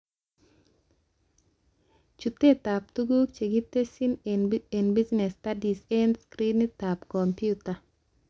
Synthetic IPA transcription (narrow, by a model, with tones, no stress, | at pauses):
t͡ʃu˨t̪e˦t̪a˨p̚t̪u˦ɡu˦kt͡ʃe˨ɡi˦t̪e˦si˦nene˨nbi˦znɛ˨stadi˨se˦nskɾi˦nit̪apkɔmpjuta˨